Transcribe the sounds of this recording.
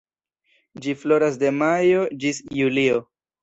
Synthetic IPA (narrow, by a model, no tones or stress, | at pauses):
d͡ʒiflo̞ɾasde̞majo̞d͡ʒisjulio